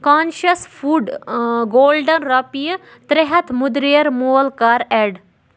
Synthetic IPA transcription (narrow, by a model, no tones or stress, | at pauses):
kaːnʃɐsfʰuːɖɡoːlɖɐnɾɐpijɐ | t̪ɾeɦɐt̪ʰmud̪ɾijɐɾmoːlkaːɾɛːɖ